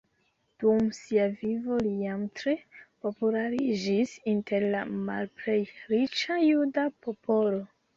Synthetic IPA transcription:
d̥umsiavivo̞lijamtɾe̞po̞pulaɾid͡ʒisintʰe̞ɾla̰ma̰lple̞jɾit͡ʃajudapo̞polo̞

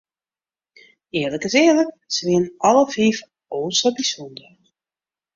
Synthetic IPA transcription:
ɪːləkəsɪələk̚ | sʋɪənɑləfiːf | oːsəbisɔndə

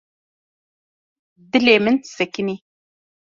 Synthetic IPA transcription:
d̪ɨleːmɨnsɛkɪni

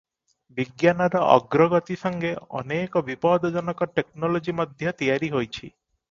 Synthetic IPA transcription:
biɡjanɔɾɔʔɔ̰ɡɾɔɡɔt̪isɔŋɡeɔ̰nekɔbipɔd̪ɔd͡ʒɔnɔkɔʈek̚nɔlod͡ʒimɔd̪ʱjɔt̪ijaɾiɦojt͡ʃʰi

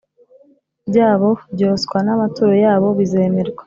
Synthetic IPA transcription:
bɟaːβo̞bɟoːskwanamatuɾojaːβo̞βize̞ːmeɾɡwḁ

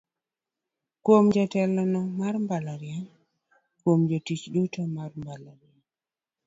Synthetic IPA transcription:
kwomd͡ʒatɛlɔnɔmarmbalaɾjɛn | kwomd͡ʒɔtit͡ʃdutamarmbalaɾjɛn

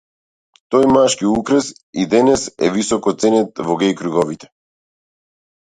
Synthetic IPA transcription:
t̪ɔjmaʃkiukɾɛs | id̪ɛnɛsɛ̰visɔkɔt̪sɛnɛt̪vɔɡɛjkɾuɡɔvit̪ɛ̥

